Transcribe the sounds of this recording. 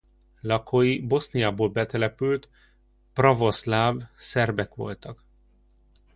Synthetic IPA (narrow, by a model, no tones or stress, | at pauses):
lɒkʰojibo̞snijaːboːlbɛt̪ɛlɛpylt̪ | prɒvo̞slaːvsɛrbɛkʋo̞̰lt̪ɒk